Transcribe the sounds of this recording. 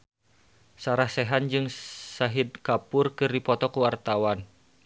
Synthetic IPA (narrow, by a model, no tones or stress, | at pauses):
saɾahsɛɦand͡ʒɨŋsaɦid̪̚kapʊrkɨrdipɔt̪ɔkuwart̪awan